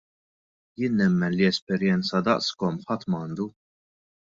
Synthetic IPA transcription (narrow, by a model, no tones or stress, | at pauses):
jɪːnːɛmːɛnliɛspɛɾjɛnt͡sɐd̪ɐʔskɔmħɐt̪ːmɐːnd̪u